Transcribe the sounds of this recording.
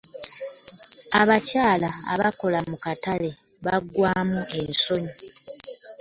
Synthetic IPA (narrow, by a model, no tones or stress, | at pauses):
aβacaːla̰ːβako̞lamukatale̞ | βaɡwaːmue̞miso̞ɲi